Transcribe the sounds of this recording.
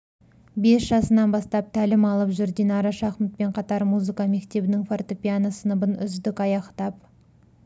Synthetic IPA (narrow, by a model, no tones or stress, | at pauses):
be̞sʒ̥ɑsənɑnbɑst̪ɑp̚t̪ʰælɪmɑlˠəpʒʏɾd̪enɑɾɑʃɑχmɪt̪̚pe̞ɴqʰɑt̪ɑɾmuzɨkɑme̞kt̪e̞bɪnɪŋfort̪opʲianasənəbənʏ̰zd̪ɪkɑjɑqt̪ɑp̚